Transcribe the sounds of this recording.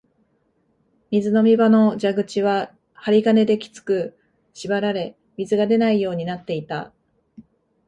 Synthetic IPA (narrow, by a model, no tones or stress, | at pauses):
mʲizɨno̞mʲibano̞d͡ʑaɡɯ̟t͡ɕiβa | haɾʲiɡane̞d̪e̞kʲi̥t͡sɨ̥kɯ̟ | ɕibaɾaɾe̞ | mʲizɨɡad̪e̞naijo̞ːɲ̟inat̪ːe̞it̪a̰